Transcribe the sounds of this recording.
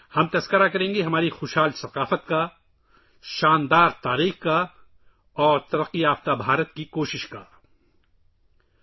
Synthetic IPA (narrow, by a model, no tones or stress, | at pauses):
hɐmt̪ɐskəɾakɐɾẽːŋɡeɦɐmaːɾixoːʃɦaːlsɐqaːfət̪ka | ʃaːnd̪aːɾt̪aːɾiːxka | ɔːɾt̪ɐɾɐqːijaːft̪abʱaːɾət̪̚kikoːʃɪʃka̰ː